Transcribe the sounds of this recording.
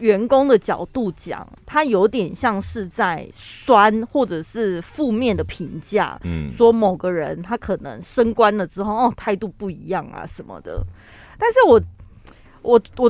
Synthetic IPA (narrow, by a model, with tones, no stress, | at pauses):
ɥɛ˧˥nkʊ˥ŋd̪ə˨t͡ɕjɑ˨˩ʊt̪u˥˩t͡ɕjɑ̰˨˩ŋt̪ʰa˥jo˧˥ʊt̪̬jɛ˨˩nɕjɑ˥˧ŋʂɻ̩˥˧t͡sa˥˩ɪswa˦nxwɔ˥˩ʈ͡ʂɤ˨˩ʂɻ̩˥˧fu˥˧mjɛ˥˩nd̪ə˩pʰi˧˥ŋt͡ɕja̰˥˩swɔ˦mo˨˩ʊɡə˦ɻə˧˦nt̪ʰa˦˥kʰɤ˨˩nɤ̰˧˦ŋʂə˥ŋkwa˦˥nlə˨ʈ͡ʂɻ̩˥xo˥˩ʊɔ˥˩t̪ʰa˥˧ɪt̪u˥˧pu˥˩i˧˥jɑ˥˩ŋa̰˨˩ʂə˨˦nmə̰˨d̪ə̰˩ | t̪a˥˧nʂ̬ɻ̩˥˩wɔ˨˩ | ʔɔ˨˩wɔ˨˩